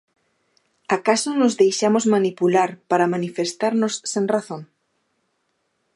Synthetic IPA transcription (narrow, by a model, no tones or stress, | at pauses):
akasonozðejʃamozmanipulaɾpaɾamanifest̪aɾnosːeŋraθõŋ